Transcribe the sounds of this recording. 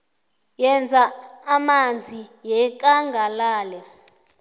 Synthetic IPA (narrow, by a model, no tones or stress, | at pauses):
jɛnd͡zʱaːmand͡zʱijɛk̬aŋɡʱalaːlɛ